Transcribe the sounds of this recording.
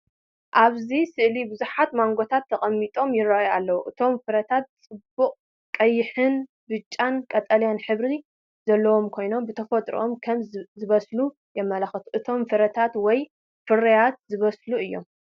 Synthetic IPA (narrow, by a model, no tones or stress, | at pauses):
ʔaβzisɨʔlibɨzuħat̪maŋɡot̪ʰat̪ʰːɐχʼɐmːit̪ʼo̞mjɪrːaʔjalːɐwuʔɨt̪ʰo̞mfɨɾɐt̪ʰat̪̚t͡sʼɨbːukʼ | kʼɐjːɪħɨn | bɨt͡ʃʼːankʼɐt̪ʼɐljanħɨβɾi | zɐlːɐwo̞mkʰo̞jno̞mbɨt̪ʰɐfɐt̪ʼɾḭʔomkʰɐmzɨβɐslu | jɛmːɐlɐxɐt̪ʰuʔɨt̪ʰo̞mfɨɾɐt̪ʰat̪wɔj | fɨɾɐjat̪̚zɨβɐsluɨjːo̞m